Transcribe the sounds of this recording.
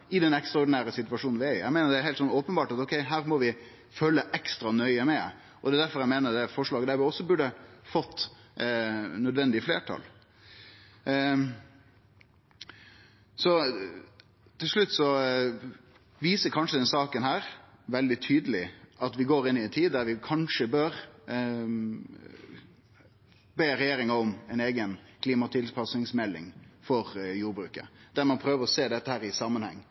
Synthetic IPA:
ɪd̪ɛnɛkst̪ɾɑɔɖɪnæːɾəsɪt̪ʉʋɑʂuːn̩ʋɪæɾɪæ̰ɪmeːnəɖ̪ɛæɾhɛɪt̪sɔnɔːpənbɑːʈɑt̪ɔkʰɛɪɦæːɾmɔʋɪ | føːləʔɛkst̪ɾɑnœʏəmɛ | ɔd̪ɛd̪æɾfɔɾæɪmeːnəɾd̪ɛfɔʂɭɑːɡəd̪æʋɪɔsːɔbʉɖəfɔt̪ː | nœd̪ʋɛnd̪ɪfleːʈʰɑ̰l | sɔ | t̪ʰɪlʂɭʉt̪ːsɔ | ʋiːsəkʰɑnʂəd̪ɛnsɑːkənhæːɾʋɛld̪ɪt̪ʰyːd̪əlɪɑt̪ʋɪɡoːɾɪnːɪɛnt̪ʰiːd̪d̪æɾʋɪkʰɑnʂəbøːɾ | beːɾɛjeːɾɪŋɑɔmɛɪneːɡənkʰliːmɑt̪ʰɪlpʰɑsnɪŋsmɛlːɪ̰ŋfɔɾjuːɾbɾʉ̰ːkə̰d̪̥æɾmɑnpʰɾøːʋəɾɔseːd̪ɛt̪ːəhæːɾɪsɑmːənhɛ̰ŋː

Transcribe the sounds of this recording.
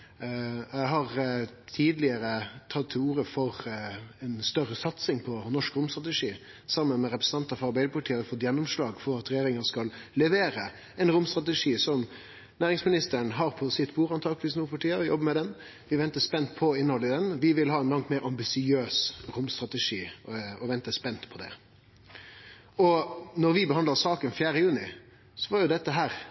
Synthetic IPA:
æɪɦɑʁt̪ʰiːd̪lɪəɾət̪ʰɑt̪ʰːɪluːɾəfɔʁɛnst̪œɾːəsɑt̪sɪŋpʰɔnɔʂkɾʊmst̪ɾɑt̪əʂiː | sɑmːənmɛɾɛpɾəsn̩ɑnt̪ɑfɑɾbæɪd̪əpʰɑʈʰiːəfɔt̪ːjɛnːʊmʂlɑːɡfɔɾɑt̪ɾɛjeːɾɪŋɑskɑllɛʋeːɾə | ɛnɾʊmst̪ɾʁɑt̪əʂiːsɔm | næːɾɪŋsmɪnɪst̪əɾəɳɦɑɾpʰɔsɪt̪buːɾɑnt̪ʰɑk̪ʋɪsnuːpɑʈiːəʋɪjɔ̰bəmɛd̪ɛn | ʋɪʋɛnt̪əspɛnt̪pʰɔɪnəhɔlːəd̪ɛnʋɪʋɪlɦɑːɛnlɑŋt̪meːɾɑmbɪsɪøːsɾʊmst̪ɾɑt̪əʂiːɔʋɛnt̪əspɛnt̪pʰɔd̪ɛ̰ | ɔnɔɾʋɪbəɦɑnd̪ləsɑːkənfjæːɾəjʉːnɪ | sɔʋɑɾjʊd̪ɛt̪ːəɦæːɾ

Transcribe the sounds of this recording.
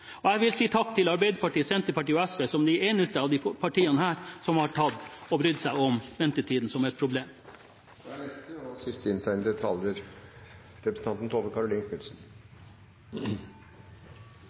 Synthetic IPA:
ɔæɪʋɪlsiːt̪ʰɑk̚ːt̪ʰɪlɑɾbæɪd̪əpɑʈiːsɛnt̪əɾpɑʈiːɔɛsʋeːsɔmd̪æeːnəst̪əɑʋd̪ipʰɑʈiːɑnəhæːɾsɔmhɑʈʰɑd̪ɔbɾʏd̪sæɪɔmʋɛnt̪əʈ̪ʰiːd̪n̩sɔmɛt̪̚pʰɾʊbleːm | æɛst̪əɑsɪst̪əɪnt̪ʰæɪnəd̪ɛt̪ʰɑljəɾ | ɾɛpɾsn̩ɑnt̪n̩t̪ʰoːʋəkʰɑɾʊlɪːŋkmɪlsn̩

